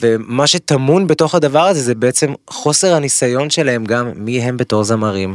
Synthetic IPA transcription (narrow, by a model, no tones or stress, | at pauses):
ve̞maʃe̞t̪amunbeto̞χhad̪avaʁazezebeʔet͡se̞mχo̞seʁhanisajo̞nʃe̞laɦe̞mɡamːiɦe̞mbe̞t̪o̞χzamaʁim